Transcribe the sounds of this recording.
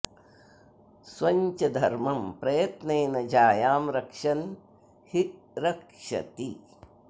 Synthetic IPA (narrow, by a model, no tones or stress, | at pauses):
sʋɐɲt͡ʃɐd̪ʱɐɾmɐmpɾɐjɐt̪neːnɐd͡ʒaːjaːmɾɐkʂɐn | hi | ɾɐkʂɐ̰t̪i